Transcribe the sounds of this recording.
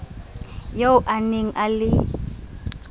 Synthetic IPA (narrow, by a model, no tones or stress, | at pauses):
jaʊʔaneŋ̩ʔalɪ